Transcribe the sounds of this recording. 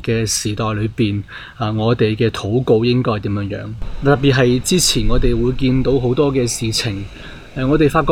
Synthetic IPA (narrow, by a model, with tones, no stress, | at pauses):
kɛː˧siː˨˩t̪ɔː˨jlɵ˨˧ɥpiː˨˩n | aː˨˩ŋɔː˨˧t̪e˨jkɛː˧t̪ʰo˨˥wko˧wjɪ˥ŋkɔː˥˨t̪iː˨˥mjœː˨˧˥ŋjœ̰ː˨˥ŋt̪ɐ˨˩pːiː˨˩t̚ɦɐ˨jt͡siː˥t͡sʰiː˨˩nŋɔː˨˧t̪e˨jwuː˨˧jkiː˧nt̪o˨˥wɦo˨˥wt̪ɔː˥kɛː˧siː˨t͡sʰɪ˨˩ŋ | ɛ˨ŋɔː˨˧t̪e˨jfaː˧tkɔ˧